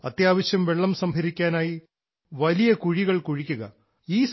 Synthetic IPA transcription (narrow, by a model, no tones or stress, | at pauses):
ɐt̪jaːʋɐɕjɐmʋe̞ɭːɐmsɐmbʱɐɾikʲːaːnaːji | ʋɐlijɐkuɻiɣɐɭkuɻikʲːuɣɐ | iːs